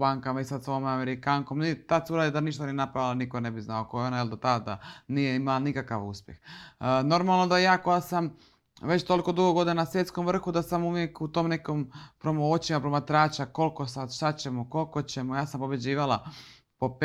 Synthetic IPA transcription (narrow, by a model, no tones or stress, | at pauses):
baːŋkamaisad̪soomameɾikaŋkomnit̪ad̪suɾaːd̪id̪aniʃt̪anijenapɾaʋilanikone̞biznaokojeo̞najeld̪ot̪ad̪ad̪a̰nije̞imalanikakaʋṵspje̞xno̞ɾmalˠnod̪ajaːko̞jasam | ʋet͡ɕt̪o̞lˠikod̪uɡoɡod̪inanasʋje̞t̪sko̞mʋr̩xud̪asamuʋje̞kut̪oːmne̞kompɾomoot͡ɕimapɾomat̪ɾaːt͡ɕako̞lˠko̞sad̪ʃt̪at͡ɕemoko̞lˠkot͡ɕe̞mojaːsampobed͡ʑiːʋalˠa | po̞p